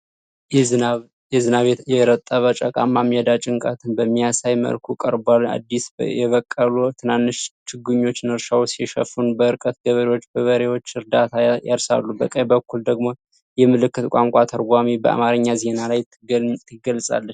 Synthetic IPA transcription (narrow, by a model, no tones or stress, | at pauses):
jɛzɨnaβjɛɾət̪ʼːəβət͡ʃʼəkʼamːamijɛd̪at͡ʃʼɪŋkʼa̰t̪ʰɨnbəmːijasajmə̰lkʰukʼəɾbala̰d̪ːisjɛβəkʼːəlut̪ʰɨnanːɨʃt͡ʃɨɡuɲːo̞t͡ʃːnɨɾʃawsjɛʃə̰funbəɨɾkʼət̪̚ɡəβəɾewo̞t͡ʃːbəβəɾewo̞t͡ʃːɨɾd̪at̪ʰajaɾsa̰lːubə̰kʼːajbəkʰːuld̪əɡmo | jɛmɨlɨkːɨt̪kʼaŋkʼat̪ʰəɾɡʷamibəʔa̰maɾɨɲːaze̞nalaj | t̪ʰɨɡəlsʼa̰lːət͡ʃː